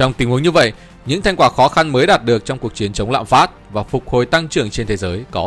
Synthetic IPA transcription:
t͡ɕɔ˧wŋ͡mt̪ï˨˦ŋ̟hu˨˦əŋɲɨ˧və̰˧˨jʔ | ɲɨ̰˧˥ŋt̪ʰa˧jŋ̟kwaː˧˩xɔ˨˦xa˧nməː˨˦jɗaː˨˩t̚ɗɨ˨˩ək̚t͡ɕɔ˧wŋ͡mku˨˩ək̚t͡ɕi˨˦ənt͡ɕə˨˦wŋ͡mla̰ː˧˨mfaː˦˥t̚vaː˨˩fʊ˨˩k̚ho˨˩jt̪a˧ŋt͡ɕɨ˨˩əŋt͡ɕe˧nt̪ʰe˨˦zəː˨˦jkɔ˨˦

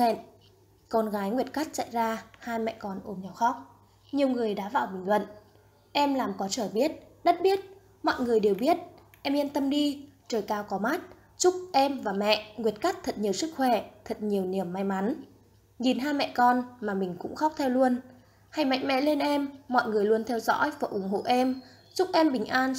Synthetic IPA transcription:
ḛ˧˨n | kɔ˧nɣaː˨˦jŋwi˨˩ət̚ka˦˥t̚t͡ɕa̰˧˨jzaː˧haː˧jmɛ̰˧˨kɔ˧nʔo˨˧˦mɲɔ˨˩wxɔ˦˥wk͡p̚ | ɲi˨˩əwŋɨ˨˩əjɗa̰ː˧˥va̰ː˧˨wɓï˨˩ŋ̟lə̰˧˨n | ʔɛ˧mlaː˨˩mkɔ˨˦t͡ɕəː˧˩jɓi˦˥ət̚ | ɗə˦˥t̚ɓi˦˥ət̚ | mɔ̰˧˨jŋɨ˨˩əjɗe˨˩wɓi˦˥ət̚ | ʔɛ˧mʔi˧ənt̪ə˧mɗi˧ | t͡ɕəː˨˩jkaː˧˩wkɔ˨˦ma˦˥t̚ | t͡ɕʊ˦˥k͡p̚ʔɛ˧mvaː˨˩mɛ̰˧˨ŋwi˨˩ət̚ka˦˥k̚t̪ʰə˨˩t̚ɲi˨˩əwsɨ˦˥k̚xwɛ˧˩t̪ʰə˨˩t̚ɲi˨˩əwni˨˩əmːa˧jma˨˦n | ɲi˨˩nɦaː˧mɛ̰˧˨kɔ˧nmaː˨˩mï˨˩ŋ̟kʊ̰˧˥ŋ͡mxɔ˦˥k͡p̚t̪ʰɛ˧wlu˧ən | ha˧jma̰˧˨jŋ̟̚mɛ̰˧˨le˧nʔɛ˧mːɔ̰˧˨jŋɨ˨˩əjlu˧ənt̪ʰɛ˧wzɔ̰˧˥jfə˧˩ʔʊ˨˧˩ŋ͡mɦo̰˧˨ʔɛ˧m | t͡ɕʊ˦˥k͡p̚ʔɛ˧mɓï˨˩ŋ̟ʔaː˧n

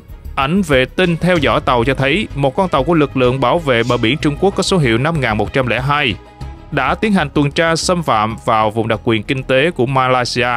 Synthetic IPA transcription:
ʔa˧˩jŋ̟vḛ˧˨t̪ï˧ŋt̪ʰɛ˧wzɔ̰ː˧˥˩jt̪ə˨˩wt͡ɕɔ˧t̪ʰə˨˦jmo˨˩t̚kwa˧nt̪ə˨˩wku˧˩əlɨ˨˩k̚lɨ̰˧˨əŋɓaː˧˩wvḛ˧˨ɓəː˨˩ɓi˧˩ənt͡ɕʊ˧ŋ͡mku˦˥ək̚ːɔ˨˦so˨˦ɦḭ˧˨əwna˧mŋaː˨˩nmo˨˩t̚t͡ɕa˧mlɛ̰˧˥ɦaː˧j | ɗa̰ː˧˥t̪i˨˦ənha˨˩jŋ̟t̪wə˨˩nt͡ɕaː˧sə˧mfa̰ː˧˨mvaː˨˩wvʊ̰˨˩ŋ͡mɗa˨˩k̚kwi˨˩ənkï˧ŋ̟t̪e˨˦ku˧˩əmaː˧laː˧jsi˧ʔaː˧

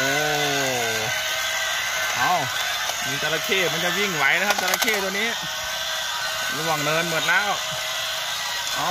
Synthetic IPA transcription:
ʔoː˧˩ | ʔa˧˥˩w | miː˧˩t̪a˧laː˧kʰeː˧˩ma˧nt͡ɕa˧˩ji˧˩ŋwa˦˥jlka˦˥p̚t̪a˧laː˧kʰeː˥˩t̪u˧niː˦˥˩ | ɾu˧waː˨˩ŋnɤː˧nmɯ˨˩ə˩nlɛː˦˧˥w | ʔɔː˧˩

